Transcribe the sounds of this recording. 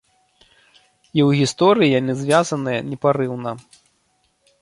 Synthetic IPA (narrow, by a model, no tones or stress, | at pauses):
iwɣʲist̪ɔɾɨjijanɨzvʲazɐnɨjɐnʲɛpaɾɨwnɐ